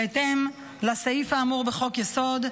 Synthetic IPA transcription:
et̪em | lasaifaːmuʁbeχo̞kjeso̞d̪

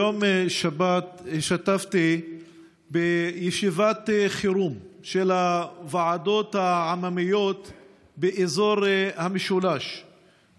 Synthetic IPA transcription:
omʃabat̪ʃat̪aft̪i | bejeʃivat̪χiɾumʃelavaʕad̪o̞t̪haʕamamijo̞t̪ | beʔezo̞ɾhameʃulaʃ

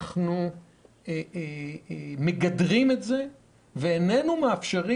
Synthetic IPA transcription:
χnu | e | me̞ɡadʁimetze̞ | veːne̞numeafʃeʁi

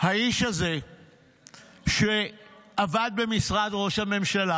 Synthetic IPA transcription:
haiʃaze̞ | ʃeavad̪̚be̞misʁadʁo̞ʃhame̞mʃala

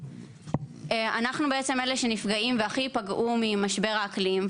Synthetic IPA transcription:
ʔeanaχnubeet͡semeleʃenifɡaimveaχipaɡʔumimaʃbe̞ʁaːklim

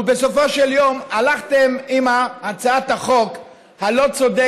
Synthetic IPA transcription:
besofo̞ʃeljo̞malaχt̪emimaːt͡saathaχo̞k | halo̞t͡so̞d̪e

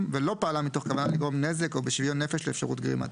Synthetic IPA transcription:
mvelo̞paalamito̞χkavanaliɡʁo̞mnezeko̞beʃvijonːefeʃleːfʃaʁṵtɡʁḭma̰t

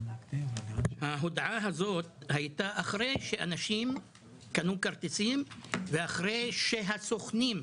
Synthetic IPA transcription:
haɦod̪ʕaɦazo̞t̪̚hajt̪aʔaχɾejʃeʔanaʃim | kanukaɾt̪et͡simveaχʁejʃeɦasoχnim

